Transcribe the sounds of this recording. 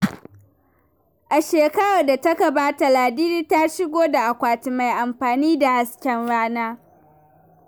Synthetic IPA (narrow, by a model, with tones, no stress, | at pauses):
ʔa˨ʃeː˨kɐ˦ɽa˨da˨tɐ˦ka˨baː˦ta˨laː˨diː˦ɾiː˦ta˦ʃɪ˦ɡʷoː˦da˨ʔa˨kʷaː˨tɪ˨ma˨jʔa˨mɸaː˨niː˦da˨ha˦skʲɛ˦nɽaː˦naː˦